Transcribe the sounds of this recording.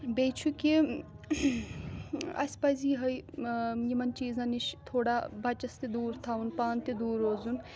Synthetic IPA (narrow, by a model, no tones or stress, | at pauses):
bejt͡ʃʰuki | ɐ̰sʲpɐziːɦɐjjimɐnt͡ʃiːznɐniʃt̪ʰoːɽabʱɐt͡ʃɐst̪ed̪uːɾt̪ʰawunpaːnt̪id̪uːɾoːzun